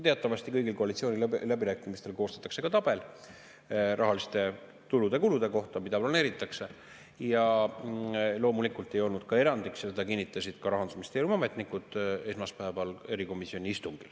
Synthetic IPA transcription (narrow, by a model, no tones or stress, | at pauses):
t̪eɑt̪ːˑɑvɑst̪ikɤjɡilko̞ɑlit̪sio̞ːnillæbiɾæːkːˑimist̪e̞lko̞ːst̪ɑ̥t̪ːˑɑkse̞kɑt̪ɑb̥e̞l | rʔɑɦɑlist̪e̞ | t̪ulud̪̥e̞kulud̪̥e̞ko̞ht̪ɑmid̪ɑplone̞ːɾit̪ˑːɑkse̞ | jɑ | lo̞ːmulikult̪ːˑe̞jo̞lnud̪̥kɑe̞ɾɑnd̪iksjɑse̞d̪ɑkinːit̪ːˑɑsʲid̪̥kɑɾɑɦɑnd̪̥sumist̪elumɑmet̪ˑnikːˑud̪̥e̞smɑspæːvɑle̞ɾiko̞misio̞nʲiist̪uŋɡ̥il